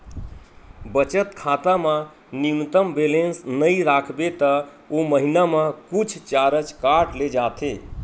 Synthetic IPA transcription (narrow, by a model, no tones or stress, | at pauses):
bət͡ʃət̪kʰat̪ama | nint̪əmbelensnəjɾakʰbet̪ə | oməɦinamakut͡ʃʰt͡ʃaɾəd͡ʒkaɾʈled͡ʒat̪ʰe